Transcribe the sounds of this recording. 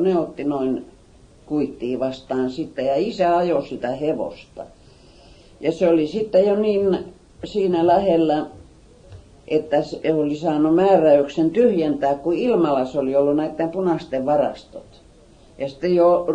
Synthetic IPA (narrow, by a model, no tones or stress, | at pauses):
neot̪ːinoin | kuit̪ːiːʋɑst̪ɑːnsit̪ːejɑisæɑjosit̪æheʋo̰st̪ɑ̰ | jɑseolisit̪ːejoniːn | siːnælæhelːæ | ʔet̪ːæsolisɑːnumæːræyksent̪yhjent̪æːkkuilmɑlɑsoliolːunæit̪ːempunɑst̪eʋʋɑrɑ̰st̪o̰t̪ | jɑsi̥t̪ːejo